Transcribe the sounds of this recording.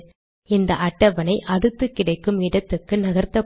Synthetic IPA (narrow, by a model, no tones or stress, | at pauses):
ɪnd̪ɐʔɐʈːɐʋɐnɐɪʔɐɽɯt̪ːɯkːɪɽɐɪkːɯmɪɽɐt̪ːɯkːɯnɐɣɐɾt̪ːɐ